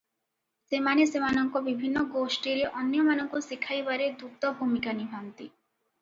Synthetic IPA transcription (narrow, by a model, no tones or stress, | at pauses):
semanesemanɔŋkɔbibʱinːɔɡosʈiɾeʔɔnjɔmanɔŋkusikʰajbaɾed̪ʱuk̚t̪ɔbʱumikanibʱant̪i